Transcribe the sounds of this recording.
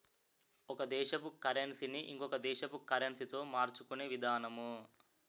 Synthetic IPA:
ɔkɐd̪ɛːʃɐpukɐɾensiniʔḭŋkɔkɐd̪ɛːʃɐpukɐɾensit̪o̞ːmaːɾt͡ʃukuneːʋid̪ʱaːnɐmu

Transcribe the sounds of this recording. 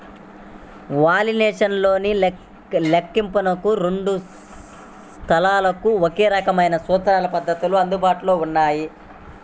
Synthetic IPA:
ʋaːlineːʂɐnlo̞ːni | lekːimpunɐkuɾeɳɖu | st̪ʰɐlaːlɐkuokeːɾɐkɐmɐjnɐsɔːt̪ɐɾaːlɐpɐd̪ʱːɐt̪uluɐnd̪ubaːʈuloːunːaːji

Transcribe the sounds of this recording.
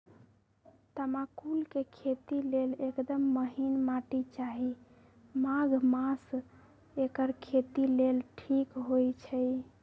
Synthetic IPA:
t̪əmakulkekʰet̪ilelekd̪əmːəɦinmaʈit͡ʃaɦi | maɡʱmas | ekəɾkʰet̪ilelʈʰikɦojt͡ʃʰɛj

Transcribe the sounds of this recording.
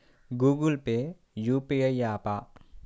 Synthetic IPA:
ɡuɡulpe | jupeəjaːpaʔ

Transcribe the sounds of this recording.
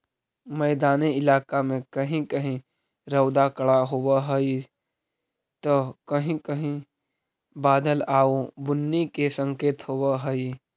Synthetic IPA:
məːd̪aːniɪlaːkamẽkəɦĩkəɦĩ | ɾəʊd̪akəɭaɦoːaɦəi | t̪okəɦĩkəɦĩ | baːd̪əlaːobʊnːikesə̃ŋkeːt̪ɦoːwaɦəi

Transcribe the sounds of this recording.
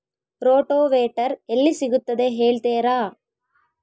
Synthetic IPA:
ɾoːʈoːʋeːʈɐɾelːisiɡut̪ːɐd̪eɦeːɭt̪eːɾaː

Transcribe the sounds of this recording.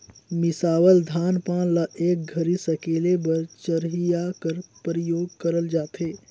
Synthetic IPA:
mɪsaːwəld̪ʱaːnpãːnlɐʔeːk̚ɡʱɐɾisɐkeːlebɐɾt͡ʃɐɾɦijakəɾpɾəjoːɡkɐɾəld͡ʒaːt̪ɦeː

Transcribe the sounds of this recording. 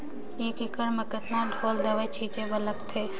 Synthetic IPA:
eːkɪkəɽməkət̪naɖʱoːld̪əʋət͡ʃʰit͡ʃebələkt̪ʰeː

